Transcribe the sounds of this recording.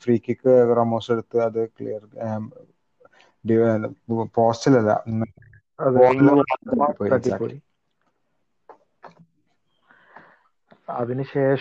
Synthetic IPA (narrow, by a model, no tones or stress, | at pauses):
friːkʲːikʲːɨɡrɐmoːseɽut̪ːɨɐðɨklḭjɐr | ɖi | poːstilɐlːɐ̰nː | ɐðpoːŋːɐnːɐmɐaɐipːoːiɐʈɡisa̰kpːoːi | ɐðinɨɕeːʂ